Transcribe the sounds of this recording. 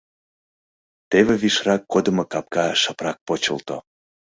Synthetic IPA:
t̪eβeβiʃrɑkːod̪əmokɑp̚kɑʃəprɑk̚pot͡ɕə̰lt̪o̰

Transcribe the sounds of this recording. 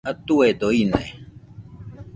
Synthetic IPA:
ɐt̪uwed̪oinḛ

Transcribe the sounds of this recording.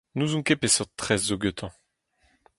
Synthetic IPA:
nuzũkepesɔt̪χɛzːoɡøt̪ʰɑ̃

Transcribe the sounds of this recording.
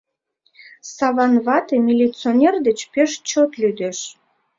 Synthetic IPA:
sɑβɑnβɑt̪emʲilʲit͡sionʲerd̪ət͡ɕpeʃt͡ɕot̪lyd̪eʃ

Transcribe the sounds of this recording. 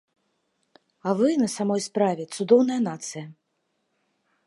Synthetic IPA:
avɨnɐsamɔjspɾavʲɛt̪sud̪ɔwn̪ɐjɐnat̪sɨjɐ

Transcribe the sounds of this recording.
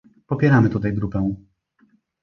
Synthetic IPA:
pɔpʲjɛɾamɘt̪ut̪ajɡɾupɛw̃

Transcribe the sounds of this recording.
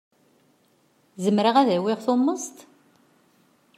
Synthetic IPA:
zəmːɾəʁæðæwɪʁθomːəst̪

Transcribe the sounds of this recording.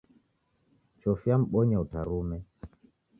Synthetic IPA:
t͡ʃɔfjam̩ɓɔɲɛutaɾumɛ

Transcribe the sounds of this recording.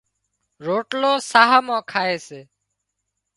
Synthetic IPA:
ɾoːʈloːsaːɦaːmãːkʰaːeːseː

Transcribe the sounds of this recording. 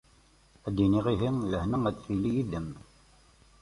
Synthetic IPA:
æd̪ːiniʁiɦiŋləhnəŋæt͡sːθilijiðəm

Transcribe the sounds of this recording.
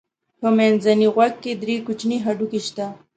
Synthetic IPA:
pəmenzaniɣwaɡ̚kːed̪ɾekut͡ʃniɦaɖukeʃt̪a

